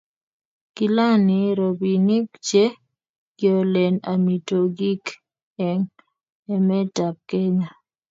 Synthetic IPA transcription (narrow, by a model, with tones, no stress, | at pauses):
ki˦la˦nɪ˨ɾo˨bi˨ni˦kt͡ʃe˦ | ɡjɔ˨lɛ˨na˨mi˨to˨ɡi˦k | ɛ˨ŋ | ɛ˦mɛ˦ta˨k̚kːe˦ɲa˨